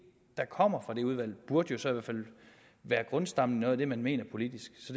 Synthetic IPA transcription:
d̥ɑ̈kʰɒ̽m̰ɐfʁɑ̈d̥e̝uð̞ˠʋæl̰b̥uɐd̥jo̝sɒ̽iʋæɐ̰fæl̰ | ʋæːɐɡ̥ʁɔ̽nsd̥ɑ̈m̰ninɔ̽ːð̩ˠɐd̥e̝mænme̝̰ːnɐpʰo̝lid̥isɡ̥sɒ̽d

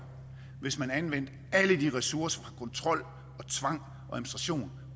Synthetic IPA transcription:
ʋe̝smænænʋen̰d̥ | æləd̥iʁɛsuɐsɐ̥fʁɑ̈kʰɒ̽nt͡sʰʁɒ̽l̰ | ɒ̽t͡sʰʋɑ̈ŋ̰ | ɒ̽æɐðˠmnsd̥ʁɑɕo̝̰ːn

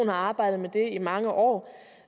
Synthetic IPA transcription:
n̩hɑ̈ɑ̈ːb̥ɑ̈ɪ̰d̥ð̩ˠmed̥e̝imɑ̈ŋəʔɒ̰ː

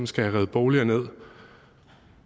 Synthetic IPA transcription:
m̩sɡ̥ææʁɛðˠb̥ɒːliɐne̝ð̞̰ˠ

